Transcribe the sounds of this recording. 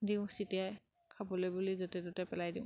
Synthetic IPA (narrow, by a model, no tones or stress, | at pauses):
diʊ̃sitiaj | kʰabɔlojbulizɔtɛdotɛpɛlajdiʊ̃